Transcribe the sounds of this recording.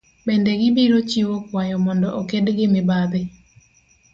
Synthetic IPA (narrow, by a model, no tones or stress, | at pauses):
bendɛɡɪbiɾot͡ʃiwokwajɔmɔndɔʔokedɡɪmɪbad̪ɪ